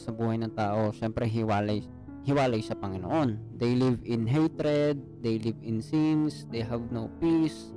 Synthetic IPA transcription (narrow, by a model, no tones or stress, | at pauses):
sɐbuːhɐjnɐŋt̪aːʔo̞ʃɛmpɾɛɦɪwaːlɐj | hɪwaːlɐjsɐpɐŋɪno̰ʔo̞nd̪ejlivɪnɦejt̪ɾɛd̪̚ːejlivɪnsinsd̪ejɦavnowpis